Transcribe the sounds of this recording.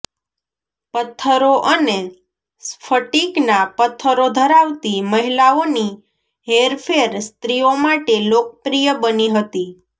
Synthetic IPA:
pət̪ʰːəɾoʔəne | sfʰəʈiknapət̪ʰːəɾod̪ʱəɾaʋt̪iməɦilaoni | ɦeɾfʰeɾst̪ɾiomaʈelok̚əpɾijəbəniɦət̪i

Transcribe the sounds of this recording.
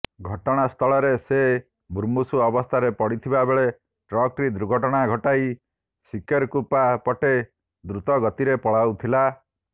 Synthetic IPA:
ɡʱɔʈɔɽ̃ast̪ʰɔɭɔɾese | bʱuɾmusuɔbɔst̪ʰaɾepɔɽit̪ʰibabeɭe | ʈɾɔkɾid̪ɾuɡʱɔʈɔɽ̃aɡʱɔʈaj | sikeɾkupapɔʈe | d̪ɾut̪ɔɡɔt̪iɾepɔɭawt̪ʰila

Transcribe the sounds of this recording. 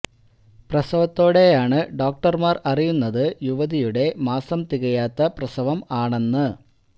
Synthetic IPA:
prɐsɐʋɐt̪ːo̞ːɽe̞jaːɳɨɖo̞ːk̚ʈɐrmaːrɐrijunːɐðɨjuʋɐðijuɽe̞maːsɐmt̪iɣɐjaːt̪ːɐprɐsɐʋɐmaːɳenːɨ

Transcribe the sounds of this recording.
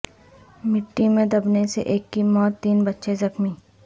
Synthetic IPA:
mɪʈːimẽd̪ɐbnesḛʔeːkːimɔːt̪ːiːnbɐtːʃezɐxmi

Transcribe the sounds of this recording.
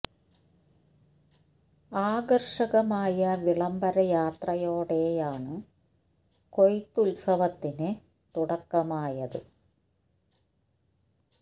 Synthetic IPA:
aːɡɐrʂɐɣɐmaːjɐʋiɭɐmbɐɾɐjaːt̪rɐjo̞ːɽe̞ːjaːɳɨ | kojt̪ːulsɐʋɐt̪ːinɨ | t̪uɽɐkːɐmaːjɐðɨ̰

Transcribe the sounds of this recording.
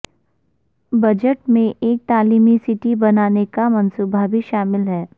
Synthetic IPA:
bɐd͡ʒəʈmẽʔeːk̚t̪aːliːmisɪʈibɐnaːnekamɐnsuːbʱabʱiʃaːmɪlɦɛː

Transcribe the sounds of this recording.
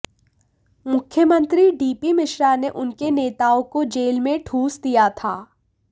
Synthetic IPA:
mʊkʰjəmə̃nt̪ɾiɖiːpimɪʃɾaneʔʊnkeneːt̪aːõkod͡ʒeːlmẽʈʰuːsd̪ijat̪ʰaː

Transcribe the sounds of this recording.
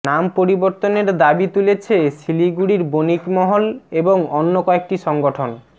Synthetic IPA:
nampoɾiboɾt̪oneɾd̪abit̪ulet͡ɕʰesiliɡuɽiɾbonikmɔɦoleboŋonːokɔek̚ʈiʃɔŋɡoʈʰon

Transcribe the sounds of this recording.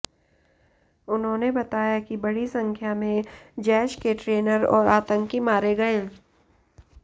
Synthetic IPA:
ʊnɦõːnebɐt̪aːjakibɐɽisɐ̃ŋkʰjamẽd͡ʒɛːʃkeʈɾeːnəɾɔ̰ːɾaːt̪ə̃ŋkimaːɾeɡɐe

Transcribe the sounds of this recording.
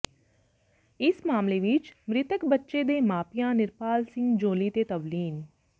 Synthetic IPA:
ɪsmaːmleʋɪt͡ʃmɾɪt̪əkbətːʃed̪eːmaːpijãːnɪɾpaːlsɪ̃ŋɡd͡ʒoːlit̪eːt̪əʋliːn

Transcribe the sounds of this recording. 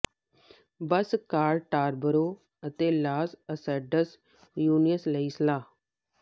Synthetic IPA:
bəskaːɾʈaːɾbəɾoː | ət̪eːlaːsəsɛɖəs | juːnijəsləiːslaː

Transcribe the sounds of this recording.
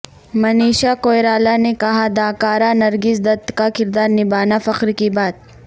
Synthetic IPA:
mɐniːʃakoːjɾaːlanekɐɦad̪aːkaːɾanɐɾɡɪsd̪ɐt̪kakɪɾd̪aːɾnɪbaːnafɐqɾkibaːd̪̚

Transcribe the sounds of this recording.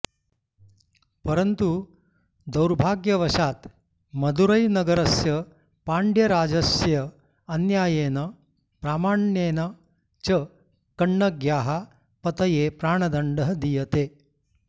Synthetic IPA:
pɐɾɐnt̪u | d̪ɐwɾbʱaːɡjɐʋɐʃaːt̪ | mɐd̪uɾɐjnɐɡɐɾɐsjɐ | paːɳɖjɐɾaːd͡ʒɐsjɐ | ɐnjaːjeːnɐ | pɾaːmaːɳjeːnɐ | t͡ʃɐ | kɐɳːɐɡjaːɦa | pɐt̪ɐjeːpɾaːɳ̃ɐd̪ɐɳɖɐɦɐd̪ijɐt̪eː

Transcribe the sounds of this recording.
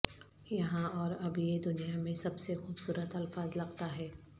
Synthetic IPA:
jɐɦãɔːɾɐbjed̪ʊnijamẽsɐbsexuːbsuːɾət̪ɐlfaːzlɐqt̪aɦɛː

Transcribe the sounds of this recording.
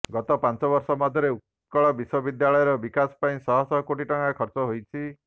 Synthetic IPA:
ɡɔt̪ɔpant͡ʃɔbɔɾsɔmɔd̪ʱjɔɾeut̪ | kɔɭɔbiswɔbid̪jaɭɔjɔɾɔbikasɔ̥paĩsɔɦɔsɔkoʈiʈɔŋakʰɔɾt͡ʃɔɦojt͡ʃʰi

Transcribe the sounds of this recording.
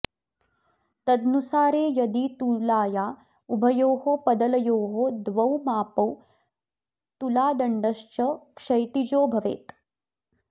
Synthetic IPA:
t̪ɐd̪nusaːɾeːjɐd̪it̪ulaːjaː | ubʱɐjoːɦopɐd̪ɐlɐjoːɦod̪ʋɐwmaːpɐw | t̪ulaːd̪ɐɳɖɐʃt͡ʃɐkʂɐjt̪id͡ʒoːbʱɐʋḛːt̪

